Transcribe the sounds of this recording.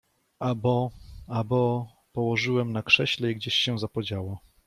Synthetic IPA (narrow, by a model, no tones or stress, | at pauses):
abɔabɔ | pɔwɔʐɘwɛmnakʂɛɕlɛiɡd͡ʑeɕɕɛ̃zapɔd͡ʑawa